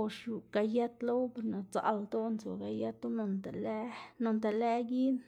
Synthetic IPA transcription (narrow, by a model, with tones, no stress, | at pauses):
o˧ʃju˨ɡa˧ja˦t̪lo˦wbe˨ɾna˨t͡sa̰˨ld̪o˦nt͡so̰˨ɡa˧ja˦t̪o˦no˧nt̪a˨la˦no˧nt̪a˨le˦ɡi˦n